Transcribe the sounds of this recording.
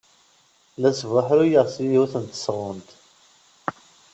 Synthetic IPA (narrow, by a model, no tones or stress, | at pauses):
læsvaħɾujəʁsiuθənt̪ə̥sʁʊnt̪